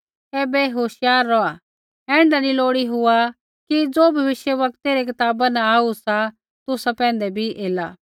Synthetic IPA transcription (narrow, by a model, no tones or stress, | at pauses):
kɛːbeɦoːʃɪjaːɾːɔa | ɛ̃ːɳɖanĩloːɽiɦʊa | kid͡zoːbʱɐʋɪʃjəʋɐkt̪eɾekɪt̪aːbanãaːusa | t̪ʊsapɛ̃ːnd̪ebʱiʔeːla